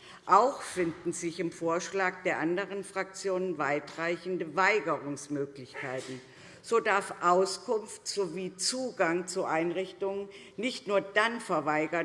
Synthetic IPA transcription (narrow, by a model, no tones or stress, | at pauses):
ʔaʊxfɪndn̩zɪçɪmfoːɐʃlaːk̚d̥eːɐʔandəʁ̞ənfʁ̥ak̚t͡sjoːnənvaɪtʁ̥aɪçn̩dəvaɪɡəʁʊŋsmøːklɪçkʰaɪtn̩ | z̥oːdaɐfʔaʊskʰʊnftz̥oviːt͡suːɡaŋt͡suʔaɪnʁɪçtʊŋən | nɪçtnuːɐdanfɛɐvaɪɡɐ